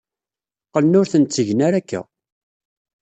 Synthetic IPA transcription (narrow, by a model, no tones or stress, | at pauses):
qəlnʊɾθənt͡sːəʝnaɾækːæ̰